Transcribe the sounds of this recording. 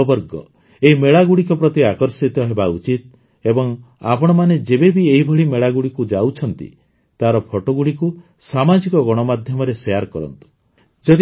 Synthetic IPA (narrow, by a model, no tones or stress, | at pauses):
bɔɾɡɔ | eimeɭaɡuɽikɔpɾɔt̪iakɔɾsit̪ɔɦebaut͡ʃit̪̚ | ebɔŋa̰pɔɽ̃ɔmaned͡ʒebebieɦibʱɔɽimeɭaɡuɽikud͡ʒawt͡ʃʰɔnt̪ḭ | t̪aɾɔpʰɔʈoɡuɽiku | samad͡ʒikɔɡɔɽ̃ɔmad̪ʱjɔmɔɾesejaɾkɔɾɔ̰nt̪u̥ | d͡ʒɔd̪